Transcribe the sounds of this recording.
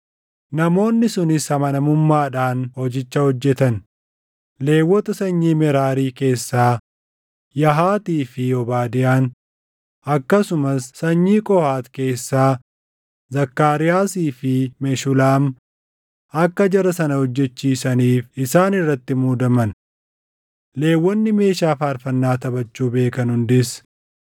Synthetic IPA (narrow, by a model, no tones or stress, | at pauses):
nɐmo̞ːnːɪsʊnɪshɐmɐnɐmʊmːaːᶑaːnhɔd͡ʒɪt͡ʃːɐhɔd͡ʒːɛt̪ɐn | le̞ːwːɔt̪ɐsɐɲːiːmɛɾaːɾiːke̞ːsːaː | jɐɦaːt̪iːfɪɔbaːd̪ɪjaːn | ɐkːɐsʊmɐsːɐɲːiːkʼɔhaːt̪ke̞ːsːaː | zɐkːaːɾɪjaːsiːfɪmɛʃʊlaːm | ɐkːɐd͡ʒɐɾɐsɐnɐhɔd͡ʒːɛt͡ʃːiːsɐniːfɪsaːnɪrːɐt̪ːɪmuːd̪ɐmɐn | le̞ːwːɔnːɪme̞ːʃaːfaːɾfɐnːaːt̪ɐbɐt͡ʃːuːbe̞ːkɐnhʊnd̪ɪs